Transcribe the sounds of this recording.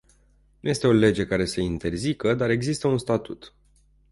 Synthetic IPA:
nuje̞st̪e̞o̞le̞d͡ʒe̞kaɾe̞səint̪e̞rzikəd̪aɾe̞ɡzist̪əunst̪at̪ut̪

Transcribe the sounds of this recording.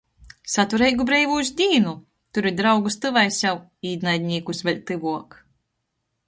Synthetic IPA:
sat̪uɾɛjɡubɾɛjvuzʲd̪ʲiːnu | t̪uɾid̪ɾawɡust̪ɨvajsjaw | iːd̪najd̪ʲnʲiːkusvʲɛlʲt̪ɨvuɔk

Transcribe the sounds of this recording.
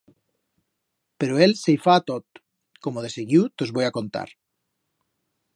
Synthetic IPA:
peɾoelsejfaːt̪ot̪̚ | komoðeseɣjut̪ozβojakont̪a̰ɾ

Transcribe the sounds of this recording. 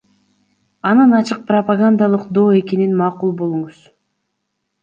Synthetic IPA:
ɑnɯnɑt͡ʃɯq̚prɐpaɡand̪ɑlˠɯqd̪o̞ːe̞ke̞ninmɑːqulˠbo̞lˠuɴuz̥

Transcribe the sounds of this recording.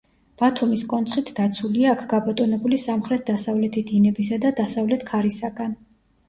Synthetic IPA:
b̥at̪ʰumiskʼɔnt̪sʰχit̪ʰd̪at̪sʰuliaːkʰɡabat̪ʼɔnɛbulisamχɾɛt̪̚ʰd̪asavlɛt̪ʰid̪inɛbisad̪ad̪asavlɛt̪ʰkʰaɾisaɡan

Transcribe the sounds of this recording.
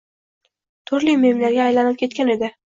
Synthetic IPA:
t̪ʰʊɾlijme̞mlaɾɡʲaːjlanɪp̚kʲʰe̞t̪kʲane̞d̪ɪ

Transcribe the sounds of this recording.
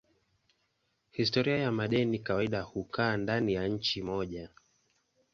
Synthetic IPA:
histɔɾiajamaɗɛnikawaiɗahukʰaːndanijaɲ̩t͡ʃimɔʄa

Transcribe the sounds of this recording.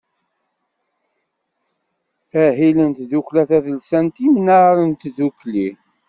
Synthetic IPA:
æɦilənt̪ðuklæθæðəlsænt̪imnaɾənt̪ðukli

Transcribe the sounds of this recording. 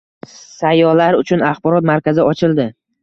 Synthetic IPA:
sajɒlaɾʊt͡ʃʰʊnaχbɒɾɒt̪maɾkʲazɪɒt͡ʃʰɪld̪ɪ

